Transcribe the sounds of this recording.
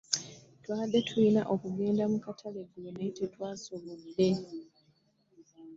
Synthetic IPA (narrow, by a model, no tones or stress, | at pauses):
twaːd̪ːe̞tʰulinaʔokuɡe̞ːndamukatʰale̞ɡonetetwaːso̞βodːe̞